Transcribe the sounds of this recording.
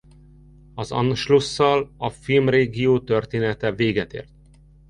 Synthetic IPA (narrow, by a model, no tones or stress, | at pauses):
ɒzɒ̰nʃlusːɒlɒfilmreːɡioːt̪ørt̪eːnɛt̪ɛveːɡɛt̪ḛːrt̪̚